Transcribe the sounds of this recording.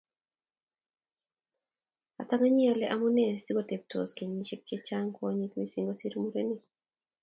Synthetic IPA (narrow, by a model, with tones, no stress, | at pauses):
a̰˨ta˦ŋa˦ɲa˨lɛ˦ʔamu˦nɛ˦si˦ɡote˨p̚tʰo̰˨ske˨ɲːit͡ʃe˦k̚t͡ʃe˦t͡ʃaŋkɔɲikmisiŋɡosi˦ɾmuɾeni